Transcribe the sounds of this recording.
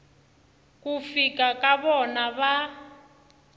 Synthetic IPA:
kufikakʼaβɔnaβa

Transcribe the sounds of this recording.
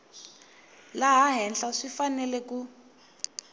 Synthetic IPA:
laɦaɦɛnɬaʂifanɛlɛku

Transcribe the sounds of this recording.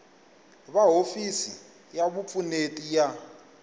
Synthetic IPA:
βaɦofisi | jaβup̪fʰʼunetʼija

